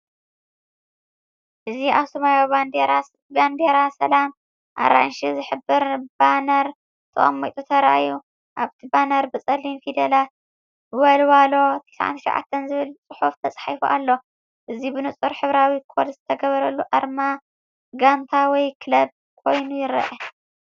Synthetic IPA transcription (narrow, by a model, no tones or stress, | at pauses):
ʔɨziʔaβsɐmajaβand̪eɾa | ɡand̪eɾasɐ̰lam | ʔa̰ɾa̰nʃizɨħɨbːɨɾb̥anɐɾ | t̪ʰɨʔo̰mːɐjt̪ʼut̪ʰɐɾaʔaju | ʔaβt̪ʰibanɐɾbɨt͡sʼɐlinfid̪ɐla | wɐlwalo̞t̪ʰesaʕa̰nt̪ʰɨʃɐ̰wʕʔa̰t̪ʰːɐnzɨβɨlt͡sʼɨħuft̪ʰɐt͡sʼħajfuʔalːo̞ | ʔɨzibɨnɨt͡sʼɨɾħɨβɾawikʰolzɨt̪ʰɐɡɐβɐɾɐlːuʔaɾma | ɡant̪ʰawɔjkʰɨlɐb̚ | kʰo̞jnujɪɾɐ̰ʔɐ